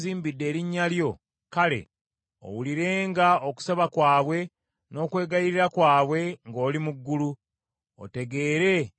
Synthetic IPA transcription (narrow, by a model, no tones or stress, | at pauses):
ziːmbidːe̞ːɾiɲːaljo̞ | kale̞̰ | o̰wuliɾe̞ːŋɡaoku̥saβakwaːβwe̞ | no̞ːkwe̞ːɡajiɾiɾakwaːβwe̞ŋɡo̞ːlimuɡːulu | o̰te̞ɡe̞ːɾe̞